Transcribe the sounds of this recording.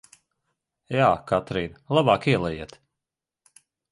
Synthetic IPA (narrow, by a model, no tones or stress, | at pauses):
jaːkat̪ɾiːnlˠabɑːkiɛlˠɛjiɛt̪